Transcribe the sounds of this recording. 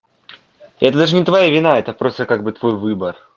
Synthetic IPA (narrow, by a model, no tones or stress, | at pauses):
ɛt̪əd̪aʐɨnʲɪt̪vɐjavʲɪnaɛt̪əpɾo̞st̪əkaɡ̚bɨt̪vo̞jvɨbər